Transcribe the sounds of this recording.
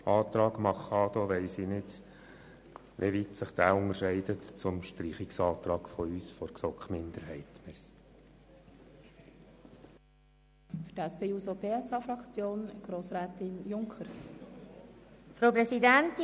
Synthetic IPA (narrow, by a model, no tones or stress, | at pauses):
ʔɑːt̪ɾɑːɡmɑχɑd̪ɔʋɛɪsinɪd̥ | ʋʔeʋitsəχd̥̪æːʊŋəɾʃɛɪd̪ətt͡sʊmʃtɾiːχiksɑːt̪ɾɑːɡ̥fɔyːsfɔɾksɔkχmɪnd̪əɾɦɛɪtməs | fydæspʰeːusobeːɛsɑfɾɑkt͡sjoːnɡ̥ɾoːsɾæːtɪnjʊŋkʰəɾ | fɾowpɾɛsidænt